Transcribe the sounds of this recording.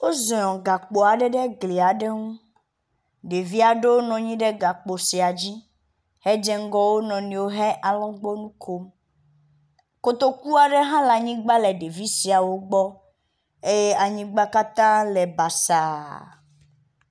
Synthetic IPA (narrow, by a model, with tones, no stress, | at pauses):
wo˦zɔ̃˨ɔ̃˨ɡa˨k͡po˨a˨ɖɛ˦ɖe˦ɡli˨a˨ɖe˦ŋũ˦ | ɖe˨vi˦a˨ɖe˦wo˦nɔ̃˨ɲĩ˦ɖe˦ɡa˨k͡po˨si˨a˨d͡ʑi˦ | hɛ˦d͡ʒɛ˦ŋ˦ɡɔ˦wo˦nɔ̃˨nĩ˨wo˦ɦɛ˦ʔa˨lɔ̃˦ɡ͡bɔ˦nũ˦kʰo˦m | ko˨t̪o˦ku˦a˨ɖe˦ɦã˦la˨ɲĩ˦ɡ͡ba˦le˨ɖe˨vi˦si˨a˨wo˦ɡ͡bɔ˦ | e˦je˦a˨ɲĩ˦ɡ͡ba˦ka˦t̪ã˦lɛ˨ba˨sa˨